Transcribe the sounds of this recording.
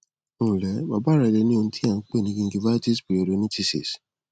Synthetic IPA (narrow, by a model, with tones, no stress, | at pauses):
ũ˦˨lɛ˨˦ba˧ba˦ɾa˧i˧le˧˦nĩ˦o˧ũ˦tʰi˦ã˦˨˦k͡pe˦˨nĩ˨˧ɡĩ˧˦ɡi˧˦va˦ti˦sbi˨˦o˧˨ɾo˨˧˦nĩ˦ti˧sḭ˨s